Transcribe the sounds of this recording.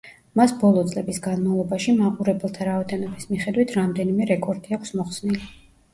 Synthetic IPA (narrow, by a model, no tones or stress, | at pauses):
masbɔlˠɔt̪sʼlɛbisɡanmavlˠɔbaʃimaqʼuɾɛbɛlˠt̪ʰaɾaɔd̪ɛnɔbismiχɛd̪wit̪ʰɾamd̪ɛnimɛɾɛkʼɔɾd̪iakʰsmɔχsnili